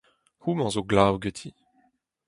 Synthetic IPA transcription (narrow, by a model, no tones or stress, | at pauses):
humɑ̃zoɡlawɡət̪ʰi